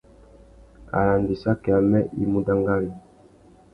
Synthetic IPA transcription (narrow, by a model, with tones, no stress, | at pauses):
a̰˨la˨ndi˨sa˦kɛ˨a˨mɛ˦ʔi˦mu˦da˦ŋɡa˦li˨